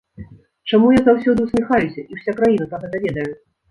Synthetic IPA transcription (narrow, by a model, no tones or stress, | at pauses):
t͡ʂamujazawsʲɔd̪ɨwsʲmʲixajusʲɐʔiwsʲakɾajinɐp̪ɾaɣɛd̪ɐvʲɛd̪ɐju